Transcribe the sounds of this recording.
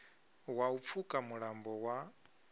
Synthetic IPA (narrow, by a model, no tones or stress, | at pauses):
waup̪fʰukʼamuɺambɔwa